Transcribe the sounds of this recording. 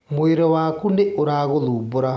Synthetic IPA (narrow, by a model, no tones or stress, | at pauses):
moeɾɔwaːkundeʔoɾaːɣoðuːboɾa